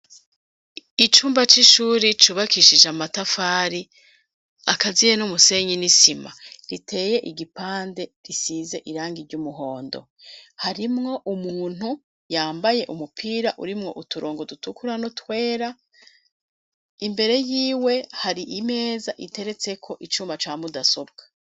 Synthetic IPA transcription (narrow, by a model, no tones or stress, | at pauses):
it͡ʃuːmbat͡ʃiʃuːɾit͡ʃuβakʰiʃid͡ʒamatafaːɾi | akazijenumuse̞ɲinisimaɾitʰe̞ːje̞ʔiɡipaːnde̞ɾisize̞ʔiɾaːŋɡiɾɟumuɦo̞ːndo̞̰haɾimŋo̞ʔumuːn̥hu | jaːmbaje̞ʔumupʰiːɾaʔṵɾimŋo̞̰ʔutuɾoːŋɡodutukuɾanotwe̞ːɾa | imbe̞ɾe̞jiːwe̞haɾiʔime̞ːzaʔite̞ɾe̞t͡se̞kʰo̞ʔit͡ʃuːmbat͡ʃaːmudaso̞bɡ̥ḁ